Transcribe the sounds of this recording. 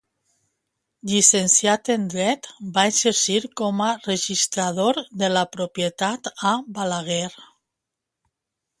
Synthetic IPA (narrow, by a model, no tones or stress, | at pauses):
ʎisensjat̪end̪ɾɛt̪baeseɾsiɾkɔmareʒist̪ɾaðoɾðelapɾopjet̪at̪abalaɣeɾ